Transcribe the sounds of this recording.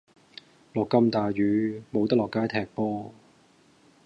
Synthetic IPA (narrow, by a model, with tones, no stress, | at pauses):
lɔː˨˩kːɐ˥mt̪aː˨ɥyː˨˧mo˨˧wt̪ɐ˥lɔː˨˩kːaː˥jt̪ʰɛː˨˩k̚pɔː˥